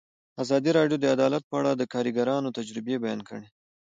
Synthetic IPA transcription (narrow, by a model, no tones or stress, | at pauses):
azɑd̪iɾɑɖjod̪əad̪ɑlat̪̚pəaɽad̪əkɑɾiɡaɾɑnot̪ad͡ʒɾɪbebajɑnkəɽe